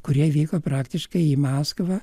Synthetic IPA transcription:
kʊɾʲiɛʋʲiːkoːpɾɑːkt̪ʲɪʃkɐɪiːmɑːskʋɑ

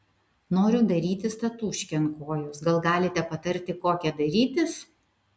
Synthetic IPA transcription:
noːɾʲʊd̪ɐɾʲiːt̪ʲɪst̪ɐt̪uːʃʲkʲɛnkoːjʊsɡɐlˠɡɑːlʲɪt̪ʲɛpɐt̪ɐɾʲt̪ʲɪkoːkʲɛd̪ɐɾʲiːt̪ʲɪs

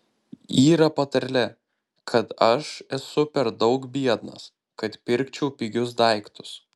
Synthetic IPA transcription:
iːɾɐpɐt̪ɐɾʲlʲɛ | kʰɐt̪ɐʃɛsʊpʲɛɾd̪ɒʊkbʲiɛd̪nɐ̰s | kɐt̪pʲɪɾʲkt͡ʃʲɛʊpʲɪɡʲʊsd̪ɐɪkt̪ʊ̥s

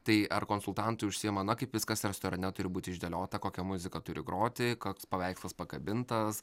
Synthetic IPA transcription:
t̪ɐɪɐrkoːnsʊlˠt̪ɐnt̪ʊɪʊʃʲsʲɪjɛmɐnɐkɐɪpʋʲɪskɐsɾʲɛst̪oːɾɐnʲɛt̪ʊɾʲɪbuːt̪ʲɪʒʲd̪ʲelʲoːt̪ɐkoːkʲɛmʊzʲɪkɐt̪ʊɾʲɪɡɾoːt̪ʲɪkoːkspɐʋʲɛɪkslˠɐspɐkɐbʲɪnt̪ɐs

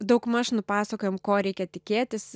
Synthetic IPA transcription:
d̪ɐʊkmɑːʃnʊpɑːsɐkoːjɛmkoːɾʲɛɪkʲɛt̪ʲɪkʲeːt̪ʲɪs

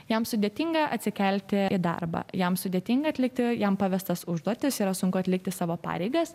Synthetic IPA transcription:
jɛmsʊd̪ʲeɛt̪ʲɪːŋɡɐʔɐt̪ʲsʲɪkʲɛlʲt̪ʲɪɪd̪ɐ̰rbɑ̰jɛmsʊd̪ʲeɛt̪ʲɪŋɡɐt̪ʲlʲɪk̚t̪ʲɪjɛmpɑʋʲɛst̪ɐsʊʒd̪uɔt̪ʲɪsiːɾɐsʊŋkʊɐt̪ʲlʲɪk̚t̪ʲɪsɑːʋoːpɑ̰ːɾʲɛɪɡɐs

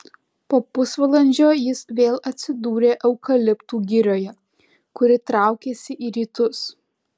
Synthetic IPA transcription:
poːpʊsʋɐlˠɐnʲd͡ʒʲoːjɪsʋʲeːlˠɐt̪ʲsʲɪd̪uːɾʲeːʔɛʊkɐlʲɪpt̪uːɡʲɪɾʲoːjɛ | kʊɾʲɪt̪ɾɑˑʊkʲeːsʲɪʔiːɾʲiːt̪ʊs

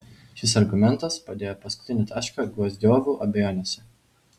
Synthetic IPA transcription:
ʃʲɪsɐɾɡʊmʲɛnˑt̪ɐspɐd̪ʲeːjoːpɐskʊ̥t̪ʲɪnʲet̪ɑːʃkɐɡʋuɔzʲd̪ʲoːʋʲuːʔɐbʲɛjoːnʲesʲɛ

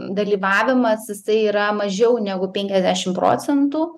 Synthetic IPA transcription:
d̪ɐlʲiːʋɑːʋʲɪmɐsjɪsɐɪiːɾɐmɐʒʲɛʊnʲæːɡʊpʲɛŋʲkʲɛzʲd̪ʲæːʃʲɪmpɾo̰ːt͡s̪ʲɛnt̪uː

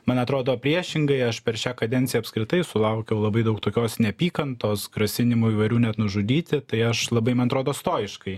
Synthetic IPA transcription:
mɐnɐt̪ɾoːd̪oːpʲɾʲiɛʃʲɪŋɡɐɪɐʃpʲɛɾʃʲæːkɐd̪ʲɛnt̪ʲɪjɛɐpskɾʲɪt̪ɐɪsʊlˠɐʊkʲɛʊlˠɐbɐɪd̪ɐʊk̚t̪oːkʲoːsnʲɛpʲiːkɐnt̪oːsɡɾɐsʲɪnʲɪmuːiːʋɐɪɾʲuːnʲɛt̪nʊʒʊd̪ʲiːt̪ʲɪt̪ɐɪɐʃlˠɐbɐɪmɐnɐt̪ɾoːd̪oːst̪oːjɪʃkɐɪ

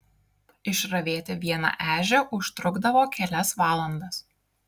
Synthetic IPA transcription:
ɪʃɾɐʋʲeːt̪ʲɛʋʲiɛnɑ̰ʔæːʒʲɛʔʊʃt̪ɾʊɡd̪ɐʋoːkʲɛlʲɛsʋɑːlˠɐnd̪ɐs

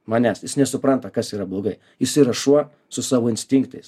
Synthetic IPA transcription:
mɑːnʲɛsjɪsnʲɛsʊpɾɐnt̪ɐkɐsiːɾɐblˠoːɡɐɪ | jɪsiːɾɐʃuɔ | sʊsɑːʋoːɪnʲsʲt̪ʲɪŋkt̪ɐɪs

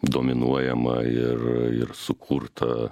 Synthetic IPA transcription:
d̪oːmʲɪnuɔjɛmɐɪɾɪ̰ɾsʊkʰuɾt̪ʰɐ

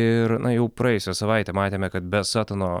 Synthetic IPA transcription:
ɪɾnɐjɛʊpɾɑːjɛjʊsʲɛsɐʋɐɪt̪ʲɛmɑːt̪ʲeːmʲɛkɐt̪̚bʲɛsɑːt̪ɐnoː

